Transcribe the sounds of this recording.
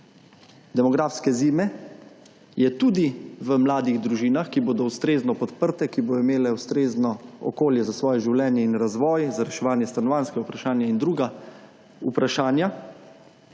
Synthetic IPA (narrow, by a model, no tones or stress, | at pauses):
d̪ɛmɔɡɾaːfskɛziːmɛ | jɛt̪uːd̪iʋəmlaːd̪iɣd̪ɾuʒiːnaxkiboːd̪ɔwst̪ɾeːznɔpɔt̪pəɾt̪ɛkibod̪ɔimeːlɛwst̪ɾeːznɔɔ̰koːljɛzasʋɔːjɛʒiwlɛːnjɛinɾazʋɔːjzaɾɛʃɛʋaːnjɛst̪anɔʋanskɛɡaupɾaʃaːnjaind̪ɾuːɡa | upɾaʃaːnja